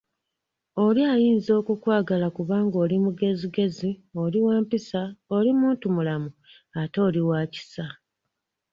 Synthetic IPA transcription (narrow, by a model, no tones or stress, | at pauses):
o̞liajiːnzo̞ːkukwaːɡalakuβaːŋɡo̞ːlimuɡe̞ziɡe̞zio̞liwaːmpisao̞limuːntumulamu | ato̞ːliwaːci̥sa